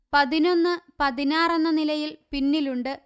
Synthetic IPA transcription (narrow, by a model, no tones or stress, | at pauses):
pɐðino̞nːɨpɐðinaːrenːɐnilɐjilpinːiluɳɖɨ